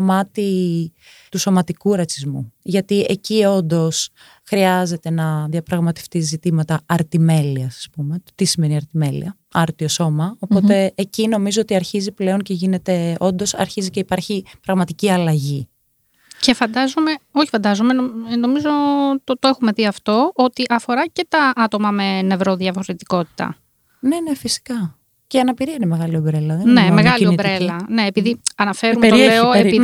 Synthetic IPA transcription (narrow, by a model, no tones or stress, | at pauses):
omɐt̪i | t̪uso̞mɐt̪ikuɾɐt͡sizmṵʝɐt̪ie̞cio̞nd̪o̞s | xɾiɐze̞t̪e̞nɐðiɐpɾɐɣmɐt̪e̞̥ft̪izit̪imɐt̪ɐɐɾt̪ime̞liɐsɐ̥spume̞t̪isime̞niɐɾt̪ime̞lḭɐ | ɐɾt̪io̞so̞mɐo̞po̞t̪e̞ːcino̞mizo̞ot̪iɐɾçiziple̞o̞ɲce̞ʝine̞t̪e̞o̞nd̪o̞sɐ̰ɾçiziceipɐɾçipɾɐɣmɐt̪iciɐlɐʝi | ce̞fɐnd̪ɐzome̞o̞çi̥fɐnd̪ɐzomenono̞mizo̞t̪ot̪oexume̞ðiɐft̪o̞ʔo̞t̪iʔɐfo̞ɾɐce̞t̪ɐʔɐt̪omɐme̞ne̞vɾo̞ðjɐfo̞ɾet̪i̥ko̞t̪i̥t̪ɐ̰ | ne̞ne̞fisi̥kɐ | ceɐnɐpiɾiɐinemeɣɐliobɾelɐðennemeɣɐlionibɾelɐne̞ːpiðiɐnɐfe̞ɾumet̪ɾeoei